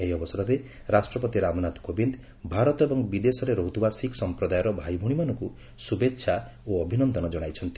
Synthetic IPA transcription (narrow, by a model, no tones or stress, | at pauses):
eɦiɔbɔsɔd̪ɔɾe | ɾasʈɾɔpɔt̪iɾamɔnat̪kobind̪ | bʱaɾɔt̪ɔebɔŋbid̪esɔɾeɾɔɦut̪ʰibasiksɔmpɾɔd̪ajɔɾɔbʱajbʱuɽ̃imanɔŋku | subetːʃʰa | oɔbʱinɔnd̪ʱɔnɔd͡ʒɔɽ̃ajt͡ʃʰɔnt̪i̥